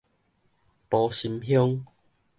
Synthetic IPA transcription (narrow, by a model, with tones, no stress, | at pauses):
pɔ˨˧ɕi˧mɦjɔ˦ŋ